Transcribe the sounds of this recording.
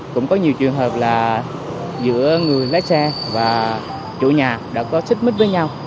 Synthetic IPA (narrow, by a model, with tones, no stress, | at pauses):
kʊ̰˧˥ŋ͡mkɔ˨˦ɲi˨˩əwt͡ɕɨ˨˩əŋɦəː˨˩p̚laː˨˩ | zɨ̰˧˥əŋɨ˨˩əjla̰ː˧˥sɛ˧vaː˨˩ | t͡ɕṵ˧˥ɲaː˨˩ɗa̰ː˧˥kɔ˨˦t̪ʰi˦˥k̚mi˦˥t̚vəː˨˦jɲa˧w